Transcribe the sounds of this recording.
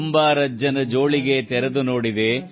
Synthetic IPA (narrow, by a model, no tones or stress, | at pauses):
mbaːɾɐd͡ʒɐnɐd͡ʒo̞ːɭiɡet̪ɛɾɐd̪uno̞ːɽid̪e